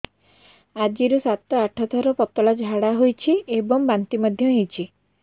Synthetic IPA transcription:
ad͡ʒiɾusat̪ɔaʈʰɔt̪ʰɔɾɔpɔt̪ɔlad͡ʒʱaɽaɦojt͡ʃʰiebɔŋbant̪imɔd̪ʱjɔɦejt͡ʃʰi

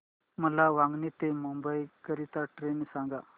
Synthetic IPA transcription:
məlaʋaŋɡnit̪emumbəjkəɾit̪aʈɾensãŋɡa

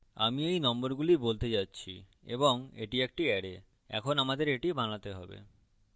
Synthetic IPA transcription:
a̰miejnɔmboɾɡulibolt̪ed͡ʑatːɕʰḭ | ḛboŋeʈiek̚ʈiɛɽe | ɛ̰kʰonamad̪eɾeʈibʱanlat̪eɦɔbḛ

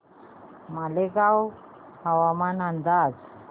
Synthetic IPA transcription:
malekaw | hawamanand̪ad͡z

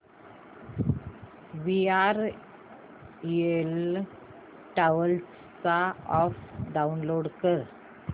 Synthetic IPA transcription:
ʋiaɾ | iel | ʈaʋəls | t͡saɔfɖaunloɽkəɾ

